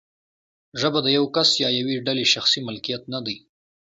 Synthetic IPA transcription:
ʒəbad̪əjawkasjɑjaweɖaleʃaxsimʊlkijat̪nad̪əj

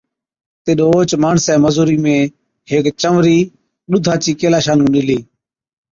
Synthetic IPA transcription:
t̪ɪːɗoːoːt͡ʃmaːɳsɛːməzuːɾiːmẽː | ɦeːkt͡ʃəʋɾiː | ɗʊd̪ʱaːt͡ʃiːkeːlaːʃaːnũːɗɪliː

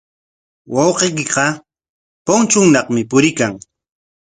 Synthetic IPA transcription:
wɑwqejk̬ɪqɑ | pont͡ʃʊŋnɑχmɪpʊɾɪkaŋ

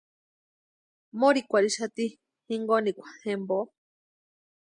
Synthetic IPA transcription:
moɾikʷaɾiʃat̪i | hiŋɡonikʷḁhembo

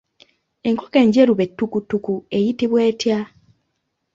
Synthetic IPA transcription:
e̞ŋkoke̞ɲɟeɾuβe̞tːukutːukue̞jitiβwe̞ːtja

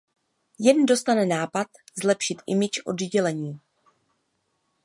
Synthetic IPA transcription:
jɛndo̞st̪anɛnaːpat̪zlɛpʃɪt̪ʔɪ̰mɪt͡ʃʔo̞̰dɟɛlɛɲiː

